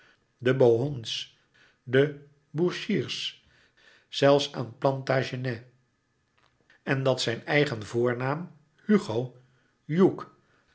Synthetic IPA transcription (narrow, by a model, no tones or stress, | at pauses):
dəbowɦons | də | buʃiːɹs | z̥ɛlˠfsa̰ːnplɑntaːʒənɛ | ɛndɑtsɛjnɛjχənvʊːɹnaːm | hyχow | juk